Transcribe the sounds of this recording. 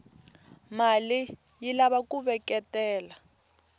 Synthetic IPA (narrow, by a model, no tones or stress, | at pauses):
mali | jilaβakuβɛkɛtɛːla